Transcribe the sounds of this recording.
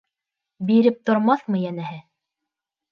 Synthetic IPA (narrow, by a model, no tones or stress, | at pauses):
biɾɘp̚t̪ŏɾmɑθmɤjænæhɘ